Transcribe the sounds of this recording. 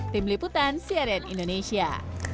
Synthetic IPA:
t̪imliput̪ansiaɾianḭndonesia̰

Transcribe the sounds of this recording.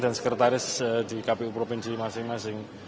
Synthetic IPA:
d̪a̤nsəkɾət̪aɾɪsd̪̥i̤kapeupɾofɪnsimasɪŋmasɪŋ

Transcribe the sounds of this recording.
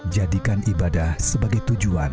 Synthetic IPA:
d͡ʒadikanʔibadahsəbaɡajt̪ud͡ʒuan

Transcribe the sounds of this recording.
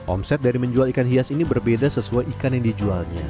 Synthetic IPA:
ʔɔ̰msɛt̪̚daɾiməɲd͡ʒualikanɦiasinibərbedasəsuajikanjaŋdid͡ʒualɲa̰

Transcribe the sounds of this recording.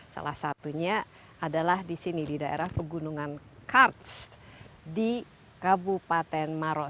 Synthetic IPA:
sa̰la̰hsat̪uɲa | ʔadalahdisinididaʔḛɾahpəɡunuŋan | kart̪s | di | kabupat̪ɛnmaɾɔ

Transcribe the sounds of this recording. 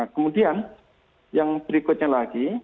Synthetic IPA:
kəmudian | jaŋb̥əɾikʊt̪̚ɲalaɡ̥i

